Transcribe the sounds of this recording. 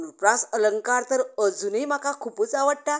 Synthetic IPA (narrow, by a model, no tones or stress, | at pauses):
uupɾãsələŋkaɾt̪əɾəd͡zuniːm̤akakʰupuːt͡saʋəɽʈ̪a